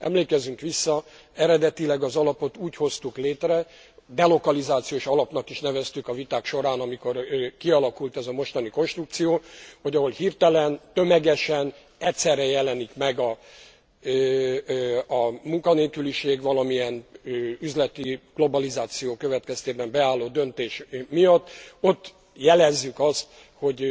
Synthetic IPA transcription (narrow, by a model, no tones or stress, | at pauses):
ɛ̰mleːkɛzyŋkʋisːɒ | ɛɾɛd̪ɛt̪ilɛɡɒzɒlɒpo̞t̪uːcho̞st̪ukleːt̪rɛ | d̪ɛlo̞kɒlizaːt̪sijoːʃɒlɒpn̪ɒkiʃnɛvɛst̪ykɒvit̪aːkʃo̞ɾaːnɒmiko̞rkiɒlɒkult̪ɛzɒmo̞ʃt̪ɒniko̞nʃt̪ruk̚t̪sijoːho̞ɟɒɦo̞lhirt̪ɛlɛnt̪ø̞mɛɡɛʃɛn | ɛcʲsɛrːɛjɛlɛnikmɛɡɒ | muŋkɒneːkyliʃeːɡʋɒlɒmijɛnyzlɛt̪iɡ̥lo̞bɒlizaːt̪sijoːkø̞vɛt̪kɛst̪eːbɛmbɛaːlːoːd̪ø̞nt̪eːʃmijɒt̪ːo̞t̪ː | jɛlɛzːykɒst̪ | ho̞ɟ